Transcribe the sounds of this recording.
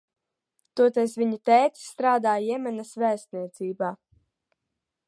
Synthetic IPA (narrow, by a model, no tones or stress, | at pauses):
t̪uɔt̪ɛjsvʲiɲit̪ɛjt̪st̪ɾaːd̪aːjɛmɛnasvæːst̪̚niɛt̪siːbaː